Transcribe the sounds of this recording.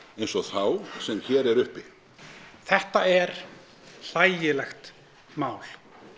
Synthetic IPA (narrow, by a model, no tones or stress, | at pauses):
ejnsɔθawsɛmçɛːɾɛɾʏhpɪ | θɛht̪aɛɾ̥ | l̥aːjjɪlɛxt̪ | maːwl̥